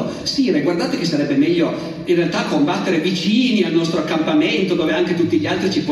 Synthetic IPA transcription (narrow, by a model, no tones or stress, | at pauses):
o | siɾeɡward̪aːt̪ek̟esːaɾɛbːemɛʎːo | inrealt̪akːombat̪ːeɾevit͡ʃiːnialnɔst̪ɾoakːampament̪od̪oːveaŋk̟et̪ut̪ːiʎialt̪ɾit͡ʃipɔ